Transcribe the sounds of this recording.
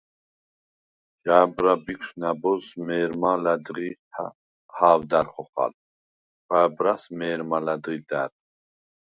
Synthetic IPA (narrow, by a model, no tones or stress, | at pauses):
d͡ʒaːbɾabikʰsnabɔzmɛːɾmalad̪ʁi | haːwd̪æɾχɔχa̰l | ɡ̥aːbɾasmɛːɾmalad̪ʁid̪æɾ